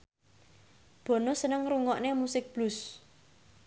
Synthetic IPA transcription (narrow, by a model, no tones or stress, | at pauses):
b̥o̤nosənəŋruŋɔʔnemusɪk̚b̥lʊs